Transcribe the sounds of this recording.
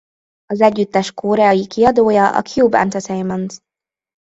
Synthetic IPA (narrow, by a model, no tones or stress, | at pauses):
ɒzɛɟːyt̪ːɛʃkoːɾɛɒjikiɒd̪oːjɒʔɒ̰kʰjuːbɛ̰nt̪ɛsɛjmɔnz